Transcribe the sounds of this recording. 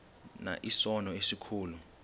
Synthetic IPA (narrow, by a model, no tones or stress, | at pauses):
na̰ʔisɔnɔesikʰuːlu